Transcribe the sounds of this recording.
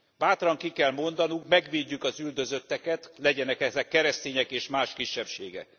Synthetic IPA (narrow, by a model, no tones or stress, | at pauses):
baːt̪rɒŋkikɛlmo̞nd̪ɒnuŋkmɛɡʋeːɟːykɒzyld̪ø̞zø̞t̪ːɛkɛt̪lɛɟɛnɛkɛzɛkːɛɾɛst̪eːɲɛkeːʃmaːʃkiʃːɛpʃḛːɡɛ̰k̚